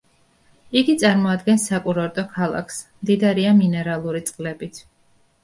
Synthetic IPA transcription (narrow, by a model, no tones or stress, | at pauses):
iɡit̪sʼaɾmɔad̪ɡɛnsakʼuɾɔɾt̪ʼɔkʰalˠa̰kʰsmd̪id̪aɾiaminɛɾalˠuɾit̪sʼqʼlɛbit̪ʰ